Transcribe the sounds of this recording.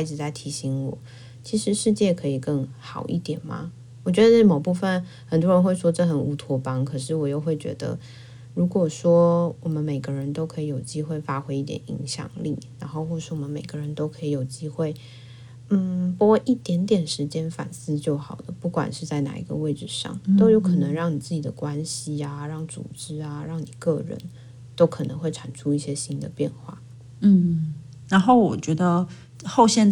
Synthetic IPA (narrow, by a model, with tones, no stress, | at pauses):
i˥˩ʈ͡ʂɻ̩˨˩t͡sa˥˩ɪt̪ʰi˧˥ɕi˧˥ŋwɔ̰˨˩˦ | t͡ɕʰi˧˥ʂɻ̩˧˥ʂɻ̩˥˧t͡ɕjɛ˥˩kʰɤ˧˥i˨˩kə˥˩ŋxɑ˨˩ʊʔḭ˥˩t̪jɛ˨˩nmɐ̰˩ | wɔ˨˩t͡ɕɥɛ˧˥d̪ə˧nə˥˩mo˨˩pu˥˧fə˨˩n | xə˨˩nt̪wɔ˥ɻə˧˥nxwe˥˩ɪʂwɔ˥ʈ͡ʂɤ˥˩xə˨˩nu˧˥t̪ʰwɔ˧˥pɑ˥ŋkʰɤ˨˩ʂɻ̩˥˩wɔ˨˩jo˥˧ʊxwe˥˩ɪt͡ɕɥɛ̰˧˥d̪ə̰˧ | ɻu˧˥kwɔ˨˩ʂwɔ˥wɔ˨˩mə˦nme˨˩ɪɡə˦ɻə˧˦nt̪o˥ʊkʰɤ˧˥i˨˩jo˨˩ʊt͡ɕi˥xwe˥˩ɪfa˥xwe˥ɪi˥˩t̪jɛ̰˨˩nḭ˧˥ŋɕjɑ̰˨˩ŋlḭ˥˩na˧˥nxo˥˧ʊxwɔ˥˧ʂɻ̩˥˩wɔ˨˩mə˦nme˨˩ɪɡ̥ə˦ɻə˧˦nt̪o˥ʊkʰɤ˧˥i˨˩jo˨˩ʊt͡ɕi˥xwe˥˩ɪ | n̩˥˩pu˧˥kwɔ˥˩ʔi˥˩t̪jɛ˧˥nt̪jɛ˨˩nʂɻ̩˧˥t͡ɕjɛ˥nfa̰˨˩nsɹ̩˥t͡ɕjo˥˩ʊxɑ˨˩ʊd̪ə˦pu˥˩kwa̰˨˩nʂɻ̩˥˧t͡sa˥˩ɪna̰˨˩ḭ˧˥ɡə̰˧we˥˩ɪʈ͡ʂɻ̩˨˩ʂɑ̰˥˩ŋt̪o˥ʊjo˧˥ʊkʰɤ˨˩nɤ˧˥ŋɻɑ˥˩ŋni˨˩t͡sɹ̩˥˩t͡ɕi˨˩d̪ə̰˦kwa˦nɕi˨a˨ɻɑ˥˩ŋt͡sṵ˨˩ʈ͡ʂɻ̩˥a˧ɻɑ˥˩ŋni˨˩kɤ˥˩ɻə̰˧˦n | t̪o˥ʊkʰɤ˨˩nɤ˧ŋxwe˥˩ɪʈ͡ʂʰa˨˩nʈ͡ʂʰu˥i˥˩ɕjɛ˥ɕi˥nd̪ə˨pjɛ˥˧nxwa̰˥˩ | n̩˥˩ | na˧˥nxo˥˩ʊwɔ˨˩t͡ɕɥɛ˧˥d̪ə˧ | xo˥˩ʊɕjɛ˥n